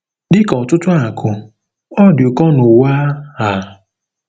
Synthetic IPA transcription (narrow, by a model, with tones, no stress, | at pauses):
dɪ˦kɔ˨tʊ˦tʊ˦a˨kʰʊ˨ | ɔ˦dʊ˨kɔ˦nʊ˨waː˦ha˨